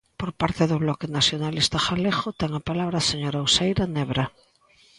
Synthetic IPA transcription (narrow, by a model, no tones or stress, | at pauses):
poɾpaɾt̪eðoβlɔkenasjonalist̪axalexot̪eŋapalaβ̞ɾaseɲoɾawsejɾaneβɾa